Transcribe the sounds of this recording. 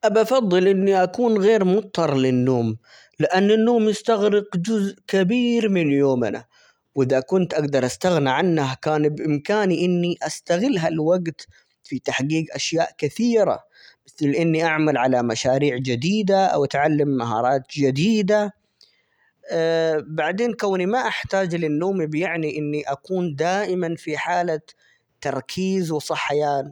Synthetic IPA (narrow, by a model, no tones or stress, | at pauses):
ʔabɑfɑðˤːɨlʔɪnːiʔakuːnɣeːɾmʊt̪ˤːɑɾˤlɪnːoːm | lɪʔanːɪnːoːmjɪst̪aɣɾɪqd͡ʒʊzʔkɪbiːɾmɪnjoːmɪna̰ | wɪðakʊnt̪ʔaɡd̪ɑɾˤʔast̪aɣniʕanːahkaːnbʔɪmkaːniʔɪnːiʔast̪aɣɪlːɦalwaɡt̪ | fit̪aħqiːɡʔaʃja̰ːʔkɪθiːɾa̰ | mɪθlʔɪnːiʔaʕmalʕalamaʃaːɾiːʕd͡ʒɪd̪iːd̪aʔa̰wʔat̪ʕalːamːaɦɑ̰ːɾˤɑːt̪d͡ʒɪd̪iːd̪a | baʕd̪eːnkawnimaʔaħt̪aːd͡ʒlɪnːoːmibjɪʕniʔɪnːiʔakuːnd̪aːʔɪmanfiħaːla | t̪ːɑɾˤkʰiːzwɪsˤɑħːajaːn